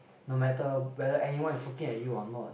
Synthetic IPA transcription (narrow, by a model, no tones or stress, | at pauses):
nomætəwɛðəʔɛniwãnfokĩŋə̃juɔnɔt